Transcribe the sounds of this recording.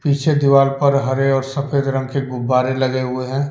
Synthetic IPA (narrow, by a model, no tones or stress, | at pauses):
piːt͡ʃʰed̪ɪʋaːlpɐɾɦɐɾeɔːɾsɐpʰeːd̪ɾə̃ŋɡkeɡʊbːaːɾelɐɡeɦʊeɦɛ̃ː